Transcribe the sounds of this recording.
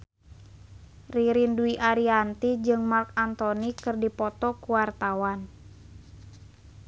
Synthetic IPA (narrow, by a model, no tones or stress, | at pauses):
riɾinduiʔaɾiant̪id͡ʒɨŋmark̚ant̪ɔnikɨrdipɔt̪ɔkuwart̪awan